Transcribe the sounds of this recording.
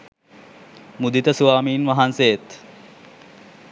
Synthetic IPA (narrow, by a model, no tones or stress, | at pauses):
mud̪it̪əsuʋaːmiːnʋɐɦansejet̪